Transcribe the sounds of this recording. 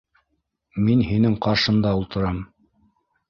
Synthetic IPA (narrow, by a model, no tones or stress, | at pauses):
minhinɘŋqɑɾʃɤ̆nd̪ɑulˠt̪ɤ̆ɾɑm